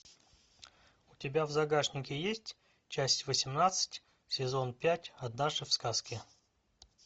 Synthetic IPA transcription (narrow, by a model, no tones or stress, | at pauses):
ʊtʲɪbʲavzɐɡaʂnʲɪkʲɪjesʲtʲ | t͡ɕæsʲtʲvəsʲɪmnat̪sɨ̥tʲ | sʲɪzo̞npʲætʲɐd̪naʐɨfskaskʲɪ